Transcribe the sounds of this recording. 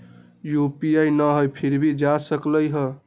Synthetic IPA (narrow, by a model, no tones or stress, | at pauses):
jupiajnəɦojpʰiɾbʱid͡ʒasəkləjɦə